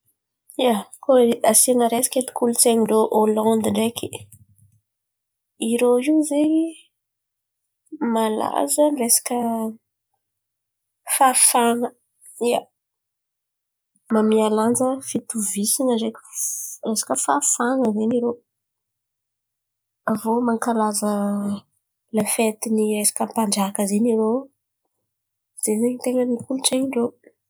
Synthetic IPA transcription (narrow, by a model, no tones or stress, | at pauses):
iakoasenəɾesḁket̪i̥kulut͡seŋiɳɖ͡ʐoʔolɑ̃nd̪ɳɖ͡ʐeki | iɾoiwzei | mala̰zanresḁkʲə | fafaŋə | ija | mamialand͡zəfit̪uvisinəzekə̥resḁkəfafaŋəzeniɾo | avomaŋkalazə | lafet̪iniresḁkəmpaɳɖ͡ʐakəzeniɾo | z̥eneɲt̪eŋənikuluʈ͡ʂeɲiɳɖ͡ʐo